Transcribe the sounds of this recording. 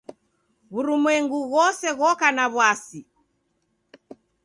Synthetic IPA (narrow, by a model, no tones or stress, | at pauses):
ɣuɾumwɛŋɡuɣɔsɛɣɔkanaβwasi